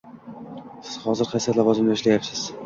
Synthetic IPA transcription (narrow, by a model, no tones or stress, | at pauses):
sɪz̥hɒzɪɾqʰasijat̪lɒvɒzɪmlaɪʃlajapsɪz̥